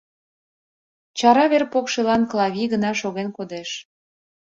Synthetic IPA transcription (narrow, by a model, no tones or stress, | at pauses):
t͡ɕɑɾɑβerpokʃelɑnklɑβʲiɣənɑʃoɣenkod̪eʃ